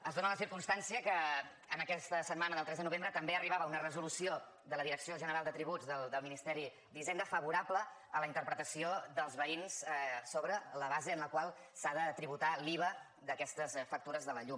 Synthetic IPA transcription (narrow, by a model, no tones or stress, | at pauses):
əzðonələsiɾkumst̪ansiəkə | ənəkɛst̪əsəd̪manəðəlˠt̪ɾɛzðənuβ̞embɾət̪əmbeəriβaβəunərəzulusio | d̪ələðiɾəksioʒənəɾalˠd̪ət̪ɾiβud͡zðəld̪əlˠminist̪ɛɾi | d̪izend̪əfəβuɾaplə | ələint̪əɾpɾət̪əsioðəlˠzβəinssoβɾələβazeənləkwalˠ | saðət̪ɾiβut̪aliβə | d̪əkɛst̪əsfək̚t̪uɾəzðələʎum